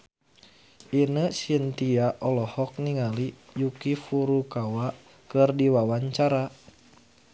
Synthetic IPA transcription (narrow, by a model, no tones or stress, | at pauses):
ʔinəsint̪iaʔɔlɔhɔk̚niŋalijukifuɾukawa | kɨrdiwawaɲt͡ʃaɾa